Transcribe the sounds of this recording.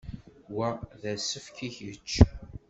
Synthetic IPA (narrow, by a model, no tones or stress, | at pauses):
wæðæsəfkiçət͡ʃː